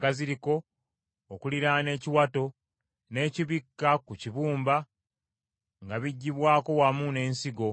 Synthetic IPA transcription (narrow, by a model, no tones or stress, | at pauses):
kaziɾiko̞ː | kuliɾane̞ːciwato̞ | ne̞ːciβikːakuciβuːmba | ŋɡaβiɟːiβwaːko̞wamune̞ːnsiɡo̞